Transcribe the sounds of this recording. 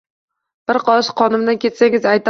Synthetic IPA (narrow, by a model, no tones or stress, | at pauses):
b̥ɪɾqʰɒʃqʰɒnɪmd̪ankʲe̞t̪saŋʲɪzajt̪